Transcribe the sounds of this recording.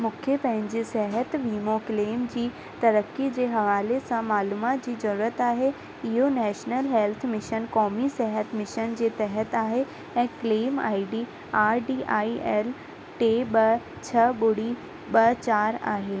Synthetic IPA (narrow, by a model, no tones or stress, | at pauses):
mʊkʰjəpɐ̃ɦɪ̃ɲd͡ʑisɛɦət̪ʋiːmokleːmd͡ʑiː | t̪ɐɾəkːid͡ʑeːɦɐʋaːlesãmaːluːmaːt̪d͡ʑiːzɐɾuːɾət̪aːɦe | ɪɦonɛːʃnəlɦɛlt̪ʰmɪʃənkɔːmisɛɦət̪mɪʃənd͡ʑeːt̪ɛɦət̪aːɦe | ɛ̃ːkleːma̰ːiɖiː | aːɾɖiːʔaːiʔɛːl | ʈeːɓɐ | t͡ɕʰɐɓʊɽi | ɓɐt͡ɕaːɾa̰ːɦeː